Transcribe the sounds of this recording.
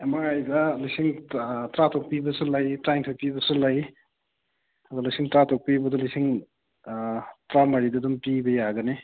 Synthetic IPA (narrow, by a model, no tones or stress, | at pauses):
emaajdɐlijsiŋtɾatʰok̚pibɐsulajtɾajŋtʰojpibɐsulaj | ɐdulajsiŋtɾatʰok̚pibɐdulisiŋ | tɾamɐɾidɐdumpibɐjaɡɐne